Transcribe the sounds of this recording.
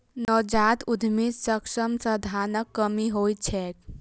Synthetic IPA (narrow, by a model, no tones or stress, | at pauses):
nɔːd͡ʒaːt̪ud̪ʱmissəkʂəmsəd̪ʱaːnəkːəmiɦoːjt͡ʃʰɛːk